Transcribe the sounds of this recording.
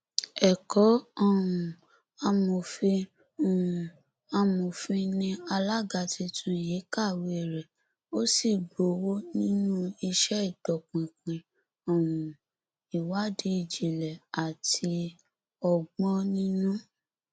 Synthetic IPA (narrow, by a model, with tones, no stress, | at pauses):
ɛ˨kɔ˨˦ɔ˦˨ũ˨ | a˧mo˨fi˧ | ũ˨ũ˨ | a˧mõ˨fi˧nĩ˧a˧la˦ɡa˨ti˧˦tʰũ˦˨je˨˦ka˦˨we˧˨ɾɛ˨ | o˦si˦˨ɡ͡bo˨wo˦nĩ˦nũ˦i˧ʃɛ˦i˦˨dɔ˨k͡pĩ˨k͡pĩ˨ | ɔ˨wũ˨ | i˨wa˨˦di˧˦i˨d͡ʒi˨lɛ˨a˨ti˧ | ɔ˨ɡ͡bɔ̃˦nĩ˦nũ˦